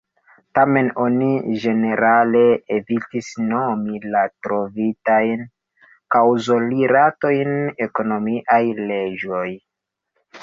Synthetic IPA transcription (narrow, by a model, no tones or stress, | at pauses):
tame̞no̞nid͡ʒe̞ne̞ɾale̞ːvitisno̞milatɾo̞vitajn | kawzo̞liɾato̞jne̞ko̞no̞miʔajle̞d͡ʒo̞j